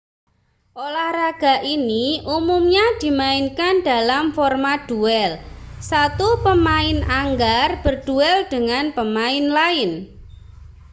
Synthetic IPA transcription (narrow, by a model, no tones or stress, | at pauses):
ʔolahraɡ̥a̤ʔiniumumɲad̪̥i̤maɪnkand̪̥a̤lamfɔrmad̪̥uɛlsat̪upəmaɪnaŋɡarb̥ərd̪̥uɛld̪̥əŋanpəmaɪnlaɪn